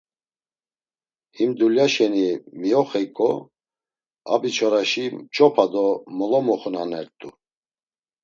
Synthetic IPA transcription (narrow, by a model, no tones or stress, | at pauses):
himd̪uljaʃɛnimiɔχɛkʼɔ | a̰bit͡ʃʰɔɾaʃimt͡ʃʼɔpʰad̪ɔmɔlɔmɔχnanɛɾt̪ʼu